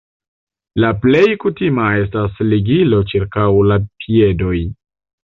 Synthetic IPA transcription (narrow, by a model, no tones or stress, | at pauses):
laple̞jkutimae̞stasliɡilo̞t͡ʃiɾkawlapʰie̞do̞j